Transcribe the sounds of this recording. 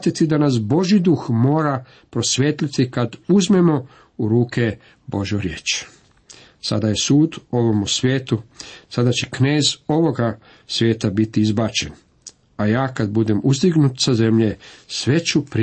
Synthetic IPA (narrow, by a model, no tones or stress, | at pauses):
t̪it̪id̪anas̬bo̞ʒid̪uxmo̞ːɾa | pɾo̞sʋjeːt̪lit̪ikad̪uzme̞mo̞ | uɾuːke̞ | bo̞ʒjoɾjḛːt͡ʃ | sa̰d̪aje̞suːd̪o̞ʋo̞musʋʲjeːt̪usad̪at͡ɕekne̞ːzo̞ʋo̞ɡa | sʋje̞ːt̪abit̪iizbat͡ʃe̞n | ajaːkad̪̚bud̪e̞muzd̪iɡnut̪saze̞mʎesʋe̞t͡ɕupɾ